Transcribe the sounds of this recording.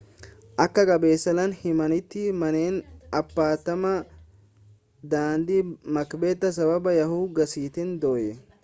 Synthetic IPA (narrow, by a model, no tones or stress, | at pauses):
ʔɐkːɐkʼɐbeːsːɐlɐnhɪmɐnɪt̪ːɪmɐneːnɐpːaːt̪ɐmɐ | d̪aːnd̪ɪmɐkbeːt̪ːɐs̬ɐbɐbɐjɐɦuːɡɐsiːt̪ɪnd̪oːjɛ